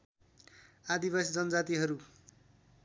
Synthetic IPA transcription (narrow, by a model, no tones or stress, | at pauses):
ad̪ibasid͡zʌnʌd͡zat̪iɦʌɾu